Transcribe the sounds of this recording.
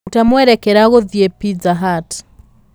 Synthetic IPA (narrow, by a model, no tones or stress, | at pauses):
tamwɛɾɛkɛɾaɣoðjepizaɦat